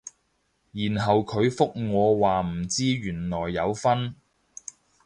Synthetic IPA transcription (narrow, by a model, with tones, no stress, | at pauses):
jiː˨˩nɦɐ˨wkʰɵ˨˧ɥfʊ˥k̚ŋɔː˨˧waː˨m̩˨˩t͡siː˥ɥyː˨˩nlɔː˨˩jːɐ˨˧wfɐ˥n